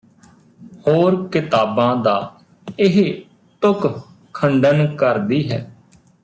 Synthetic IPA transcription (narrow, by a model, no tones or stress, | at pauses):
hoːɾkɪt̪aːbãːd̪aː | ɪɦ | t̪ʊk | kʰːəɳɖənkəɾd̪iːɦɛː